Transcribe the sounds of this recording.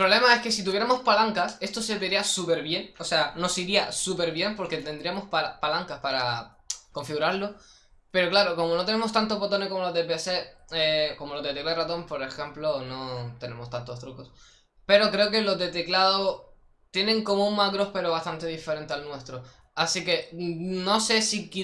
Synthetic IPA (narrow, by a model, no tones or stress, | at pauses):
pɾole̞mae̞ske̞sit̪̬uβje̞ɾamo̞spalaŋkase̞st̪o̞seβeɾiasupe̞ɾβje̞ŋo̞se̞ano̞siɾiasupe̞ɾβje̞mpo̞ɾket̪e̞nd̪ɾiamo̞spapalaŋkaspaɾa | ko̞ɱfiɣuɾaɾlo | pe̞ɾo̞klaɾo̞ko̞mo̞no̞t̪ene̞mo̞st̪ant̪opot̪o̞nekomoloðep̬ese̞eko̞mo̞lo̞ðet̪e̞klarat̪o̞mpo̞ɾe̞xe̞mplono̞t̪e̞ne̞mo̞st̪ant̪o̞st̪ɾuko̞s | pe̞ɾo̞kɾe̞ok̬e̞lo̞zd̪e̞t̪e̞klaðo | t̪je̞nẽ̞ŋko̞mouŋmakɾo̞hpe̞ɾoβast̪ant̪e̞ðife̞ɾẽ̞nt̪ealnwe̞st̪ɾo | asike̞no̞se̞siki